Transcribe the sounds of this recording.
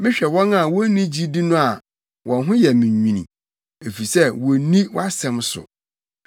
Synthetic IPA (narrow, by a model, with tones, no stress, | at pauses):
mɪ̃˦ɕᶣɛ˨wɔ̃˦na˨wɔ˦nĩ˦d͡ʑi˦di˦nʊ̃˦a˨ | wʔɔ̃˨nɦʊ̃˦jɛ˨mĩ˨ɲĩ˨nḭ̃˨ | e˨fi˨sɛ˦wɔ˨nĩ˦wa˦sɛ̃˨msʊ̰˨